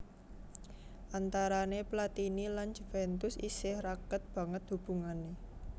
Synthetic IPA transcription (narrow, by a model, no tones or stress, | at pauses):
ʔant̪aɾaneplat̪iniland͡ʒufɛnt̪ʊsisɪhrakət̪̚b̥ä̤ŋət̪̚dṳb̥ṳŋane